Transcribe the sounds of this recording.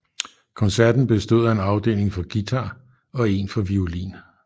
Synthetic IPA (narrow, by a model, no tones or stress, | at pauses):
kʰɒ̽nsæɐd̥n̩b̥e̝sd̥o̝ð̰ˠæe̝nɑ̈ʊd̥e̝̰ːle̝ŋfɒ̽ɡ̥it͡sʰɑ̈ | ɒ̽e̝nfɒ̽ʋiolḭːn